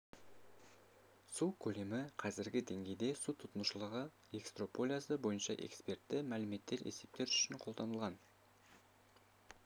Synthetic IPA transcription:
sukʲʰɵle̞mɪqʰɑzɪɾɡʲɪd̪e̞ŋɡʲe̞jd̪e̞sut̪ʰʊt̪ənəʃəlˠəʁə | e̞kst̪ro̞po̞lʲijasəbo̞jənʃɑʔe̞̰kspe̞rt̪ːɪmælɪme̞t̪ːe̞ɾḛse̞p̚t̪e̞ɾʏ̥ʃɪnqʰo̞ld̪ɑnəlˠʁɑn

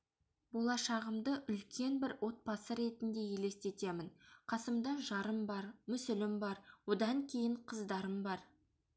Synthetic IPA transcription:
bo̞lˠɑʃɑʁəmd̪əʔʏlkʲʰe̞nbɪɾwʔo̞t̪̚pɑsəɾe̞t̪ɪnd̪e̞je̞le̞st̪e̞t̪e̞mɪnqʰɑsəmd̪ɑʒɑɾəmbɑɾmʏsɪlɪmbɑɾwo̞d̪ɑŋkʲʰe̞jɪɴqʰəzd̪ɑɾəmbɑɾ

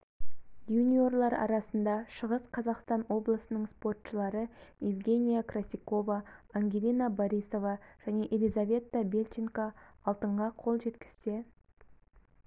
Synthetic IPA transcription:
junʲio̞rlˠɑɾɑ̰ɾɑsənd̪ɑʃəʁəsqʰɑzɑqst̪ɑnwo̞blˠəsənəɴspo̞rt̪ʃəlˠɑɾəjivɡʲe̞nʲijakrasʲijko̞vɑːŋɡʲelʲinaboɾiso̞vɑʒ̥æne̞ʔe̞lʲijzavʲe̞t̪ːabe̞lʲt͡ʃiŋkaɑlˠt̪əɴʁɑqʰo̞lˠʒe̞t̪kʲɪ̥z̥t̪e̞

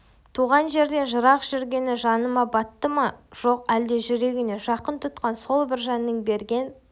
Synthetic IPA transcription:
t̪ʰuʁɑnʒe̞ɾd̪e̞nʒəɾɑqʒ̥ʏɾɡʲe̞nɪʒɑnəmɑbɑt̪ːəmɑʒ̥o̞qæld̪eʒʏɾe̞ɡʲɪne̞ʒɑqənt̪ʰʊt̪qɑnso̞lˠbɪɾʒɑnːəŋbe̞ɾɡʲe̞n

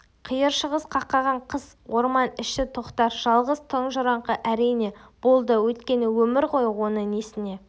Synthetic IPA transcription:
qʰijəɾʃəʁəsqʰɑqːɑʁɑɴqʰəz̥ | wo̞ɾmɑnɪʃt̪ɪt̪ʰoqt̪ɑɾʒ̥ɑlˠʁəzt̪ʰəɴʒʊɾɑɴqəʔæɾijne̞b̥o̞lˠd̪əwɵt̪kʲe̞nɪwɵmɪɾqʰo̞jwo̞nəŋnesɪne̞

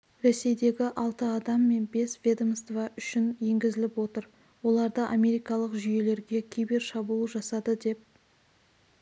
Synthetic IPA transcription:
ɾese̞jd̪e̞ɡʲɪʔɑlˠt̪əɑd̪ɑmːe̞nbe̞svʲed̪omst̪vɑʔʏʃɪnje̞ŋɡʲɪzɪlɪpwo̞t̪əɾ | wo̞lˠɑɾd̪əʔamʲe̞ɾijkɑlˠəqʒʏje̞le̞ɾɡʲe̞kʲʰejbeɾʃɑbulˠəʒɑsɑd̪əd̪e̞p̚

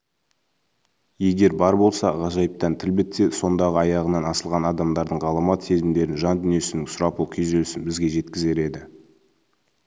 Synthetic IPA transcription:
je̞ɡʲe̞ɾbɑɾbo̞lˠsɑ̰ʁɑʒɑjəp̚t̪ɑnt̪ʰɪlbɪt̪ːeso̞nd̪ɑʁəɑjɑʁənɑnɑsəlˠʁɑnɑd̪ɑmd̪ɑɾd̪əɴʁɑlˠəmɑt̪se̞zɪmd̪e̞ɾɪnʒɑnd̪ʏnije̞sɪnɪŋsʊɾɑpukʲʰezelsɪnbɪzɡʲe̞ʒe̞t̪kʲɪze̞ɾe̞d̪ɪ

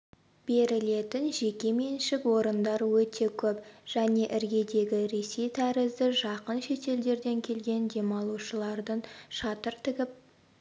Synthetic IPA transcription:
b̥e̞ɾɪle̞t̪ɪnʒe̞kʲe̞me̞nʃɪkwo̞ɾənd̪ɑɾwɵt̪e̞kʲʰɵpʒ̥æne̞ʔɪɾɡʲe̞d̪e̞ɡʲɪɾe̞sejt̪ʰæɾɪzd̪ɪʒɑqənʃe̞t̪e̞ld̪e̞ɾd̪e̞ŋkʲʰe̞lɡʲe̞nd̪e̞mɑlˠuʃəlˠɑɾd̪əɴʃɑt̪əɾt̪ʰɪɡʲɪp̚

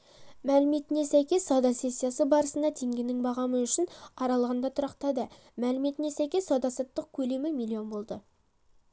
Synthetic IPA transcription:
mælɪme̞t̪ɪne̞sæjkʲe̞sːɑwd̪ɑse̞sʲːijasəbɑɾəsənd̪ɑt̪ʰe̞ŋɡʲe̞nɪŋbɑʁɑməʏʃɪnɑɾɑlˠʁɑnd̪ɑt̪ʰʊɾɑqt̪ɑd̪ə | mælɪme̞t̪ɪnesæjkʲe̞sːɑwd̪ɑsɑt̪ːəq̚kʲʰɵle̞mɪmilʲːijo̞nbo̞lˠd̪ə

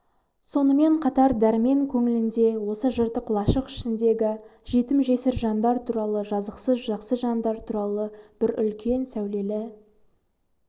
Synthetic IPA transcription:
so̞nəme̞ɴqʰɑt̪ɑɾd̪æɾme̞ŋkʲʰɵŋɪlɪnd̪e̞wo̞səʒəɾt̪əqʰlˠɑʃəqɪ̥ʃɪnd̪e̞ɡʲɪʒ̥e̞t̪ɪmʒe̞sɪɾʒɑnd̪ɑɾt̪ʰuɾɑlˠəʒɑzəqsəzʒɑqsəʒɑnd̪ɑɾt̪ʰuɾɑlˠəb̥ɪɾʏ̰lkʲʰe̞nsæwle̞lɪ

